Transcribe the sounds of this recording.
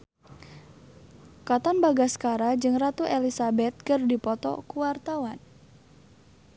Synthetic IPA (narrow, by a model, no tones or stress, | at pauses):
kat̪anbaɡaskaɾad͡ʒɨŋrat̪uʔelisabɛt̪̚kɨrdipɔt̪ɔ̰kuwart̪awan